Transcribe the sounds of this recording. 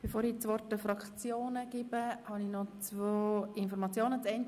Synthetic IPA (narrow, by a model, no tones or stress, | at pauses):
b̥efoːɾit͡sʋɔrtəfɾɑkχt͡sjoːnəɡ̥ɪbəhɑnixnɔt͡svoːɪnfɔɾmɑt͡sjoːnət͡sɛn